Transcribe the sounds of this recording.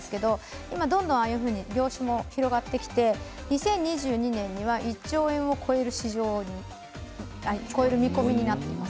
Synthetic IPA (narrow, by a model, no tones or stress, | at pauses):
sɨ̥ke̞d̪o̞ | imad̪õ̞nd̪õaːjɯ̟ɸɯ̟ːɲ̟iɡʲo̞ːɕɨmo̞çiɾo̞ɡat̪ːe̞kʲi̥t̪e̞ɲisẽ̞ɲ̟ːiʑɨːɲ̟inẽ̞ɲ̟ːiβaʔit͡ɕːio̞ːẽ̞ɰ̃o̞kʰo̞e̞ɾɯ̟ɕiʑo̞ːɲi | aiko̞eɾɯ̟mʲiko̞mʲiɲ̟inat̪ːe̞imas